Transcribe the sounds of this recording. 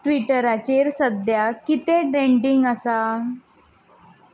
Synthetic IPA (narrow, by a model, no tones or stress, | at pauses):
ʈʋiʈəɾat͡ɕeɾsəd̪jakit̪eɖɾẽɳɖiŋɡəsa